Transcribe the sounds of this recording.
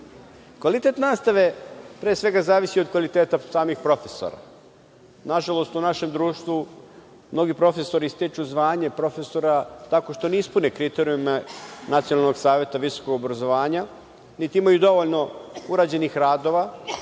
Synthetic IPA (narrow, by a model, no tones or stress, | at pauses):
kʋalit̪e̞t̪naːst̪aʋe̞pɾeːsʋe̞ɡazaːʋisiod̪̚kʋalit̪eːt̪asaːmixpɾo̞fe̞so̞̰ɾa̰ | naʒalˠo̞st̪unaʃe̞md̪ɾuːʃt̪ʋu | mno̞ɡipɾo̞fe̞so̞ɾist̪it͡ʃuzʋaːɲe̞pɾo̞fe̞so̞ɾat̪ako̞ʃt̪o̞neispunekɾit̪eɾiumnat̪sijonalˠno̞ɡsaːʋje̞t̪aʋisokoɡo̞bɾazo̞ʋaːɲa | nit̪iimajud̪o̞ʋoʎno̞uɾaːd͡ʑe̞nixɾaːd̪o̞ʋa